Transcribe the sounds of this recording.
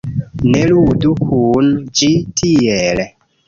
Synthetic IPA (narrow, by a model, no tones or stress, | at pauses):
neludukʰund͡ʒitʰiel